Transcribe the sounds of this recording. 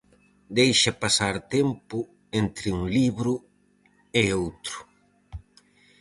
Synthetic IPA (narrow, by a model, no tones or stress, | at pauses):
d̪ejʃɐpasaɾt̪empʊ | ent̪ɾɪuŋliβɾʊ | eowt̪ɾʊ